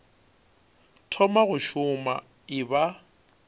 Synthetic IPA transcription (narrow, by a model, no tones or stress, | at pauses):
tʰɔmaɣʊʃʊma̰ | ɪba